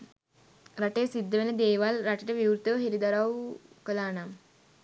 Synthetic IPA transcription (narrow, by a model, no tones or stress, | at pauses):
ɾaʈejsid̪ːəʋenəd̪eːʋalɾaʈiʈəʋiwɾt̪əʋɦiɾid̪aɾawkəlaːnam